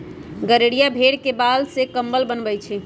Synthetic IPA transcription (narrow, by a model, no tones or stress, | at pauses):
ɡəɾeɽijabʱeɽkebalsekəmbəlbənbəjt͡ʃʰɛ